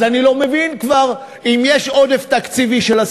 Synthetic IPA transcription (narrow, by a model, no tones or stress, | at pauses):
anilo̞mevinkvaʁ | imjeʃo̞d̪eft̪akt͡siviʃelas